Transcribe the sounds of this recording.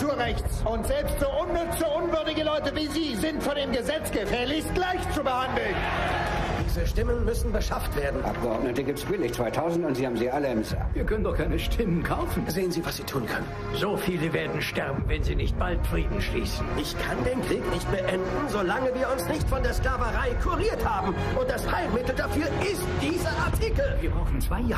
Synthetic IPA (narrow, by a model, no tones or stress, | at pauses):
tuːɐʁɛçt͡sʔʊntz̥ɛlpstz̥oːʔʊnːʏt͡szoʔʊnvʏɐdɪɡəlɔʏtəviːziːzɪntfɔndeːmɡəzɛt͡sɡ̥əfɛːɐlɪçɡ̥laɪçt͡subəhandl̩n | d̥iːzəʃtɪmənmʏsn̩bəʃaftv̥eːɐdn̩ʔa̰p̚ɡ̥əɔnətəɡiːp̚təsb̥ɪlɪçt͡sv̥aɪtʰaʊzn̩tʊntz̥iːhaːbm̩ziʔaləɛmsa̰viːɐkʰœnəndɔχkʰaɪnəʃtʰɪmənkʰaʊfn̩zeːənziːvasz̥iːtʰuːnkʰœnən | zoːfiːləveːɐdn̩ʃtɛʁɐbm̩vɛnziːnɪçt̚b̥alt̚fʁ̥iːdn̩ʃlḭːsn̩ʔɪçkʰandeːnkʁ̥iːknɪçt̚b̥əʔɛndn̩zolaŋəviːɐʊnsnɪçtfɔndeːɐsklaːvəʁaɪkʰuʁiːɐthaːbm̩ | ʔʊnt̚d̥asfaɪmɪtl̩dafyːɐʔɪstd̥iːzɐʔaɐtʰiːkl̩viːɐbʁaʊxn̩t͡sv̥aɪ